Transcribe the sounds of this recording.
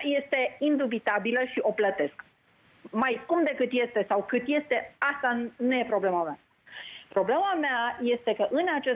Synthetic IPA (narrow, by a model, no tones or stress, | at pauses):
je̞st̪e̞ind̪ubit̪abiləʃiʔo̞plət̪e̞sk | majkumd̪e̞kɨt̪je̞st̪e̞sawkɨt̪je̞st̪e̞ast̪anuje̞pɾo̞ble̞mamea | pɾo̞ble̞mameaje̞st̪e̞kəʔɨnat͡ʃe